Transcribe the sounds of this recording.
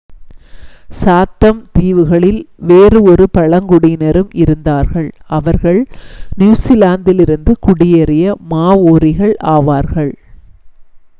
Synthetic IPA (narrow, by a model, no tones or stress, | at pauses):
saːt̪ːɐmt̪iːʋɯɣɐɭɪlʋeːrɯɔɾɯpɐɭɐŋɡʊɽɪnɐɾɯmʔɪɾɯnd̪aːɾɣɐɭɐʋɐɾɣɐɭnjuːsɪlaːnd̪ɪlɪɾɯnd̪ɯkʊɽɪjɛɾɪjɐmaːʋoːɾɪɣɐɭʔaːʋaːɾɣɐɭ